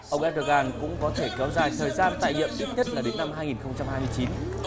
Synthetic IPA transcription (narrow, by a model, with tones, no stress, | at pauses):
ʔə˧wŋ͡mʔɛ˦˥t̚ɗo˧ɣaː˧nkʊ̰˧˥ŋ͡mkɔ˨˦t̪ʰe˧˩kɛ˨˦wzaː˨˩jt̪ʰəː˨˩jzaː˧nt̪a̰ː˧˨jɲḭ˧˨əmt̪ʰi˦˥t̚ɲə˦˥t̚laː˨˩ɗe˨˦nːa˧mɦaː˧jŋi˨˩nxə˧wŋ͡mt͡ɕa˧mhaː˧jmɨ˧əjt͡ɕi˨˦n